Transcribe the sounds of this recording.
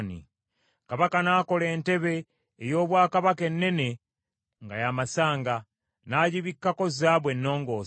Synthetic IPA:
nḭ | kaβakanaːko̞le̞ːnte̞βe̞ː | jo̞ːβwaːkaβake̞nːe̞ne̞ | ŋɡajamasaːŋɡa | naːɟiβikːako̞zaːβwe̞nːo̞ːŋɡo̞ː

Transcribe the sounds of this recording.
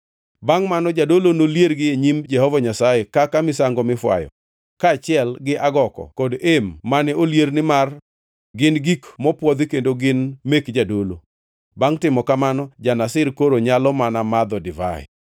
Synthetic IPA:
baŋmanɔd͡ʒadolonoljerɡɪeɲimd͡ʒɛhɔvaɲasajekakamɪsaŋɡɔmɪfwa̰jɔ̰ | kaːt͡ʃɪɛlɡɪʔaɡɔkɔ̰kodemːanɛoljernɪmar | ɡɪnɡikmɔpwɔd̪ikendoɡɪnmekd͡ʒadolo | baŋtɪmɔkamanɔd͡ʒanasɪrkoɾoɲalɔmanamad̪ɔdɪva̰ɛ̰

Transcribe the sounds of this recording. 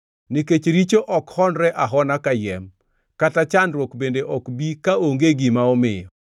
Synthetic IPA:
niket͡ʃɾit͡ʃoʔɔkhɔndɾɛʔaɦɔnakajɛm | katat͡ʃandɾwokbendeʔɔkbikaoŋɡeɡimaɔmɪjɔ

